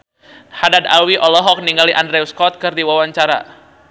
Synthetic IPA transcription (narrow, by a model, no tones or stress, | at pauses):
hadad̪alwiʔɔlɔɦɔk̚niŋɡaliʔandɾɛuskɔt̪̚kɨrdiwawaɲt͡ʃaɾa̰